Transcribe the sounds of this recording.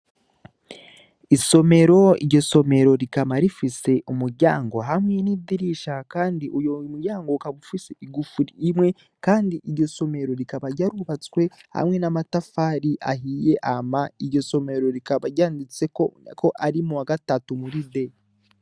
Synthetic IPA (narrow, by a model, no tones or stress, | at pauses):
iso̞me̞ɾo̞ḭɾɟo̞so̞me̞ɾo̞ɾikamaɾifise̞ʔumuɾɟaːŋɡo̞ɦamŋe̞nidiɾiʃakaːndiʔujomuɾɟaːŋɡokaβufiseiɡufuɾimwe̞ | kaːndiʔiɾɟo̞so̞me̞ɾo̞ɾikaβaɟaɾuβat͡swe̞ha̰mŋe̞namatafaːɾiʔa̰ɦije̞ʔamaiɾɟo̞so̞me̞ɾo̞ɾikaβaɟaːndit͡se̞kʰo̞ʔaɾimuwaɡatatumuɾide